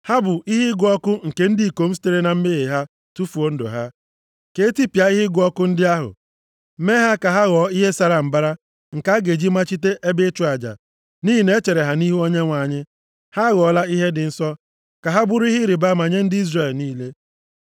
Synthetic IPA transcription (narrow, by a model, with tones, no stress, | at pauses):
ha˦bʊ˨i˦ɦɪ˦ɡʷɔ˦kʊ˦ŋ̩˨ke˨n̩˦di˨i˨ko˨m̩˦si̥˦te˦ɾe˦na˨m̩˦me˦ɣe˨ɦa˦ | tu˦fu˨o˦n̩˦do̰˨ɦa˦ | ke˨˦ti˦pja˨˦i˦ɦi˦ɡʷɔ˦kʊ˦n̩˦dɪ˦a˦ɦʊ̰˨ | m̩˦me˦ɦa˦ka˨ɦa˦ɣɔ˨˦i˦ɦe˦sa˦ɾa˨m̩˨ba˦ɾa˦ | ŋ̩˨ka˦ɡe˨d͡ʒi˦ma˦t͡ʃi˦t̬e˦ʔe˦be˦t͡ʃu˨˦a˨d͡ʒa̰˨ | ni˦ɦi˨ne˦t͡ʃe˨ɾe˨ɦa˨ni˦ɦu˦o˦ɲe˦ŋʷa˨ɲɪ˦ | ha˦ɣɔ˨la˦i˦ɦe˦dɪ˨n̩˦sɔ˦ | ka˨ɦa˦bʊ˦ɾʊ˦i˦ɦɪ˦ɾɪ˨ba˦ma˨ɲe˦n̩˦dɪ˦i˦zre˨lniː˦le˦